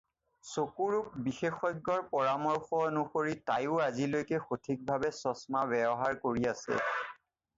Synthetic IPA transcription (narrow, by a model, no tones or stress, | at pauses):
sokuɹuk̚bixexɔjɡːɔɹpɔɹamɔɹxɔnuxoɹitajʊazilojkɛxotʰik̚bʱabɛsɔsmabɛbɔɦaɹkoɹiasɛ̰